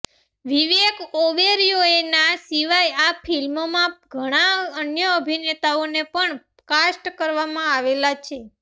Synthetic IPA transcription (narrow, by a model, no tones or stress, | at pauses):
ʋiʋekoʋeɾijoenasiʋajafʰilmomãɡʱəɽ̃aənjəəbʱinet̪aonepəɳ | kasʈkəɾʋamãaʋelat͡ʃʰe